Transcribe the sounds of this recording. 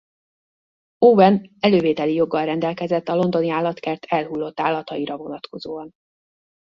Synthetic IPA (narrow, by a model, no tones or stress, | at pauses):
oːbɛnɛløːveːt̪ɛlijo̞ɡːɒlrɛnd̪ɛlkɛzɛt̪ːɒlo̞nd̪o̞niaːlːɒt̪kɛrt̪ʰɛlɦulːo̞t̪ːaːlːɒt̪ɒiɾɒvo̞nɒt̪ko̞zoːɒn